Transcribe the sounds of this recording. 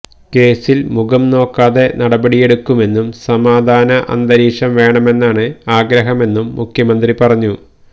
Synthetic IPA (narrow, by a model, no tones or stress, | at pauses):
ke̞ːsilmuɡɐmno̞ːkːaːðe̞nɐɽɐbɐɽije̞ɽukːume̞nːumsɐmaːd̪ʱaːnɐʔɐ̰nd̪ɐɾiːʂɐmʋe̞ːɳɐme̞nːaːɳɨaːɡɾɐɦɐme̞nːumːukʰjɐmɐnd̪ripɐrɐɲːu